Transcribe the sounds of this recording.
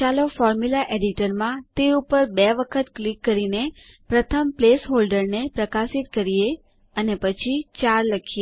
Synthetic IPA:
alofɔɾmulaʔeɖiʈəɾmãt̪eupəɾbɛʋəkʰət̪klikːəɾine | pɾət̪ʰəmplesɦolɖəɾnepɾəkasit̪̚kəɾije | ənepət͡ʃʰit͡ʃaɾləkʰie

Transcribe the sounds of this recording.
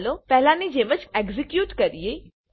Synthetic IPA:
lopɛɦlãnid͡ʒeːmət͡ʃeɡzikjuːʈkɐɾije

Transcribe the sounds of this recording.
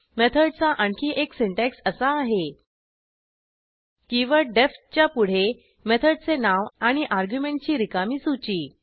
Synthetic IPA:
met̪ʰəɽt͡saʔəɳkʰiːʔeksiɳʈɛksəsaːɦe | kĩʋaɖeft̚t͡ɕjapuɽ̤e | met̪ʰəɽ̚t͡senaʋaɽ̃iʔaɾɡjumeɳʈ̚t͡ɕiːɾikamiːsut͡ɕiː

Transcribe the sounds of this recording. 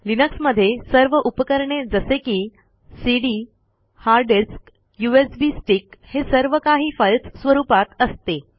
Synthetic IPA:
linəksməd̪ʱːjesəɾʋəʔupəkəɾɳed͡zəsekiː | siɽi | haɾɖiɾsk | juesbiːsʈikhesəɾʋəkaɦiːfəlt͡ssʋəɾuːpat̪əst̪e

